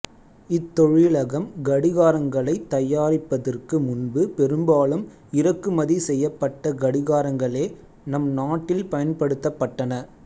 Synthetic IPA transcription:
ɪt̪ːɔɻɪɭɐɣɐmɡɐɽɪɣaːɾɐŋɡɐɭɐɪt̪ːɐjaːɾɪpːɐðɐrkɯmʊnbɯpɛɾɯmbaːlɯm | ɪɾɐkːɯmɐðisɛjːɐpːɐʈːɐɡɐɽɪɣaːɾɐŋɡɐɭeː | nɐmnaːʈːɪlpɐjɐnpɐɽɯt̪ːɐpːɐʈːɐnɐ

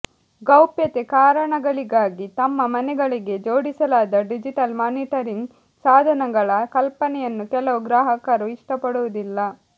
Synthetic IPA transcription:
ɡɐwpjɐt̪ekaːɾɐɳɐɡɐɭiɡaːɡit̪ɐmːɐmɐnɛɡɐɭiɡe̞d͡ʒo̞ːɽisɐlaːd̪ɐɖid͡ʒiʈɐlmaːniʈɐɾiŋɡ | saːd̪ʱɐnɐɡɐɭɐkɐlpɐnɛjɐnːukɛlɐʋuɡɾaːɦɐkaːɾuiʂʈɐpɐɽuʋɐd̪ilːɐ

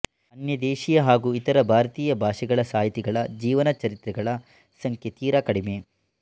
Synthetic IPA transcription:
ɐnjɐd̪eːʃijɐɦaːɡuːit̪ɐɾɐbʱaːɾɐt̪iːjɐbʱaːʂɛɡɐɭɐsaːjit̪iɡɐɭɐd͡ʒiːʋɐnɐt͡ʃɐɾit̪ɾɛɡɐɭɐ | sɐŋkʰjet̪iːɾɐkɐɽime

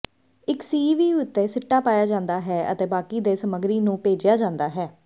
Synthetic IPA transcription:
ɪksiːʋiːʊt̪ːeːsɪʈːaːpaːjaːd͡ʒãːnd̪aːɦɛːə̰t̪eːbaːkiːd̪eːsəməɡɾiːnũːpeːd͡ʒɪjaːd͡ʒãːnd̪aːɦɛː

